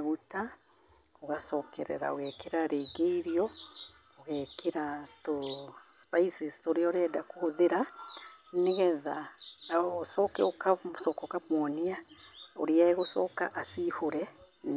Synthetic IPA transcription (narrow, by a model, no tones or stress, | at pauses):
ɣuta | oɣasɔːkʰɛɾɛ̰ɾa̰oɣɛːkeɾaɾeːɡeiɾjɔ | oɣɛkʰeɾatospaisistoɾeɔɾɛdakohoðeɾa | neɣɛða | sɔkɛokasɔkɔkamwɔniaoɾeaeɣosɔka̰ʔasihoɾɛn